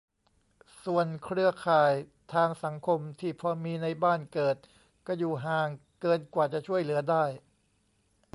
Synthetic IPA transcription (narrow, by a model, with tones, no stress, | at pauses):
su˨˩ənkʰɾɯ˥˩ɐkʰaː˨˩jt̪ʰaː˧ŋsa˩˦ŋkʰo˧mt̪ʰiː˥˩pʰɾɔ˧miː˧na˧jbaː˥˩nkɤː˨˩t̪̚ | kɔː˥˩juː˨˩ɦaː˨˩ŋkɤː˧nkwaː˨˩t͡ɕa˨˩ʔt͡ɕʰu˥˩əjlɯ˩˦ɐdaː˥˩j